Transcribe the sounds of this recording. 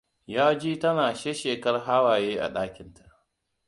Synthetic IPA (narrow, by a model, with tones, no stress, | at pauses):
jaː˦d͡ʒiː˦tɐ˦naː˨ʃeː˦ʃeː˨kɐ˦rɦaː˦waː˨jeː˦ʔa̰˨ɗaː˦kʲɪ˨ntḁ˨ʔ